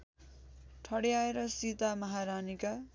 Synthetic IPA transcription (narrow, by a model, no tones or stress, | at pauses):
ʈʰʌɽiaeɾʌsit̪amʌɦaɾanika